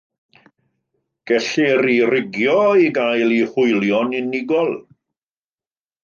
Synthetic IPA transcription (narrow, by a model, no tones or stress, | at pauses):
ɡ̥ɛɬɛɾirɪɡjɔiɡajlˠihʊjlˠjɔnɪnːɪɡɔlˠ